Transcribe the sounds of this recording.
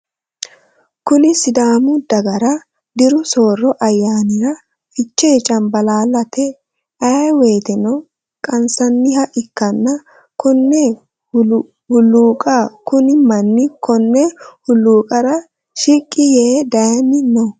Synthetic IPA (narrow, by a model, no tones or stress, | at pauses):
kʊnɪsɪd̪aːmʊd̪ɐɡɐɾɐ | d̪ɪɾʊso̞ːrːɔʔɐjːaːnɪɾɐ | fɪt͡ʃːeːt͡ʃʼɐmbɐlaːlɐt̪ɛ | ɐweːt̪ɛnɔ | kʼɐnsɐnːɪhɐʔɪkːɐnːɐ | kʊnːɛ | hʊlːuːkʼakʊnɪmɐnːɪkɔnːɛhʊlːuːkʼɐɾɐ | ʃikʼːɪjeːd̪ɐjɐnːɪnɔ